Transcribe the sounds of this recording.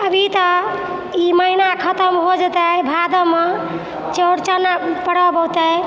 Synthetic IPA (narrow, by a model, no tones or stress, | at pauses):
əbʱit̪ə | iməɦinakʰət̪əmɦod͡ʒət̪əbʱad̪əme | t͡ʃəɽt͡ʃənapəɽ̤ɔbəwt̪ə